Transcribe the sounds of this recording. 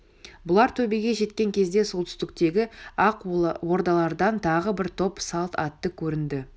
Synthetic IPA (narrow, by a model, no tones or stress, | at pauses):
bʊlˠɑɾt̪ʰɵbeɡʲe̞ʒe̞t̪kʲe̞ŋkʲʰe̞zd̪e̞solˠt̪ʰʏ̥st̪ɪk̚t̪e̞ɡʲɪɑqwo̞ɾd̪ɑlˠɑɾd̪ɑnt̪ʰɑʁəbɪɾt̪ʰo̞psɑlˠt̪ɑt̪ːəkʲʰɵɾɪnd̪ɪ